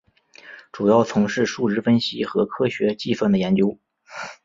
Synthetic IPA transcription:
ʈ͡ʂu˨˩jɑ˥˩ʊt͡sʰʊ˧˥ŋʂɻ̩˥˧ʂu˥˧ɻɻ̩˥˩fə˥nɕi˥xɤ˧˥kʰɤ˥ɕɥɛ˧˥t͡ɕi˥˧fwə˥˩nd̪ə˩jɛ˧˥nt͡ɕjo˥ʊ

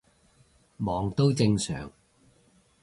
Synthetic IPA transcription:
mɔː˨˩ŋt̪o˥wt͡sɪ˧ŋsœ̰ː˨˩ŋ

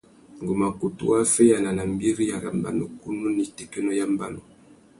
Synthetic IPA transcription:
ŋ˨ɡu˨ma˨ku˨tṵ˦a˦fɛ˦ja˨na˨na˨m˦bi˦ɾi˦ja˨ɾa˨mba̰˨no˨ku˦nu˦ni˨tɛ˨kɛ˦nɔ˦ja˦mba˦no˨

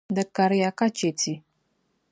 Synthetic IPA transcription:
də˨ka˨ɾja˨ka˦t͡ʃe˨tʰi˨

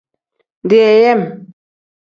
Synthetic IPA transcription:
n˨di˨ɛ˨jɛ˦˨m

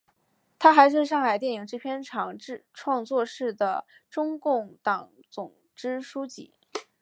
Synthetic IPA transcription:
t̪ʰa˥xa˧˥ɪʂ̬ɻ̩˥˧ʂ̬ɑ˥˩ŋxa˨˩ɪt̪jɛ˥˩ni˨˩˥ŋʈ͡ʂɻ̩˥pʰjɛ˥nʈ͡ʂʰɑ˨˩ŋ̩˥˧ʈ͡ʂʰwɑ˥˧ŋt͡swɔ˥˧ʂɻ̩˥˩d̪ə˩ | ʈ͡ʂʊ˥ŋkʊ˥˩ŋt̪ɑ˨˩ŋ | t͡sʊ˨˩ŋ | ʈ͡ʂɻ̩˥ʂu˥t͡ɕḭ˥˩

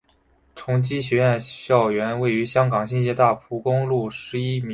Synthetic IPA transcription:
ʈ͡ʂʰʊ˧˥ŋt͡ɕi˥ɕ̬ɥɛ˧˥ɥɛ˥˧nɕjɑ˥˩ʊɥɛ˧˥nwe˥˩ɪy˧˥ɕjɑ˥ŋkɑ˨˩ŋɕi˥˧nɕjɛ˥˧t̪a˥˩pʰu˧˥kʊ˥ŋlu˥˩ʂɻ̩˧˥i˥m˧˥

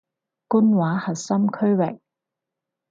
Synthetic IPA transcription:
ku˥nwaː˨˥hɐ˨t̚sɐ˥mkʰɵ˥ɥwɪ˨k̚

